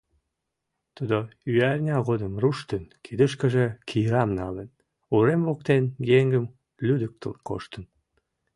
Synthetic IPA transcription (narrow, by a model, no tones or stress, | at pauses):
t̪ud̪oyærʲnʲɑɣod̪əmruʃt̪ənkʰid̪əʃkə̆ʒekʰijɾɑmnɑlən | uɾemβokt̪enɡeŋɡəm | lyd̪ək̚t̪ə̰lko̰ʃt̪ən